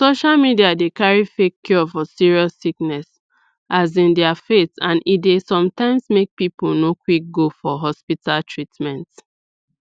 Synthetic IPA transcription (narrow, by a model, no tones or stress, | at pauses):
soʃalmidiadekaɹifekʰːjɔfɔsiɹiɔsiknɛs | ʔazĩndɛafetãnitdesɔ̃mtãɪ̃msmek̚pipulnokwik̚ɡofɔɦɔspitaltʰɹitmɛ̃nt